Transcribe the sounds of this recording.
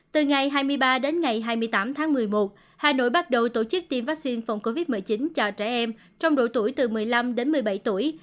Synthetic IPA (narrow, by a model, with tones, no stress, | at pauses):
t̪ɨ˨˩ŋa˨˩jɦaː˧jmɨ˧əjɓaː˧ɗe˨˦nŋa˨˩jɦaː˧jmɨ˧əjt̪aː˨˦mt̪ʰaː˨˦ŋmɨ˨˩əjmo˨˩t̚ | haː˨˩no̰˧˥˨jɓa˦˥t̚ɗə˨˩wt̪o˧t͡ɕɨ˦˥k̚t̪i˧mvaː˦˥k̚si˧nfɔ˨˧˩wŋ͡mko˧vi˦˥t̚mɨ˨˩əjt͡ɕi˨˦nt͡ɕɔ˧t͡ɕɛ˧˩ʔɛ˧m | t͡ɕɔ˧wŋ͡mɗo̰˧˨jt̪u˧˩əjt̪ɨ˨˩mɨ˨˩əjla˧mɗe˨˦nmɨ˨˩əjɓa̰˧˩jt̪u˧˩əj